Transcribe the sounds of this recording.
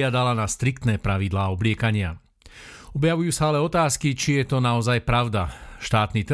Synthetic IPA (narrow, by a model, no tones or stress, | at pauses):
ɪad̪alanast̪ɾik̚t̪nɛːpɾaʋid̪laːɔblɪɛkaɲɪa | ɔbjaʋujuːsaalɛɔt̪aːskit͡ʃijɛt̪ɔnaɔzajpɾaʊd̪aʃt̪aːt̪nit̪